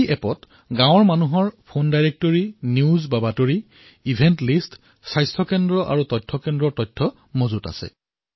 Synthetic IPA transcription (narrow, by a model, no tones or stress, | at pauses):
ʔɛpɔt | ɡãwɔɹmanuɦɔɹpʰondajɹek̚toɹiniuzbabatoɹi | ibʱɛntlist | sajstʰɔkɛndɹɔʔa̰ɹutɔjtʰːɔkɛndɹɔtɔjtʰːɔ | mozuta̰sɛ̰